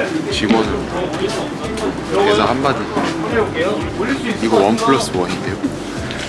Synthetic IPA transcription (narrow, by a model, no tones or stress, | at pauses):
t͡ɕiɡʌnɯn | kesʰahamːadi | iɡʌwʌnpʰɯɭːʌs͈ɯwʌɲind̪ejo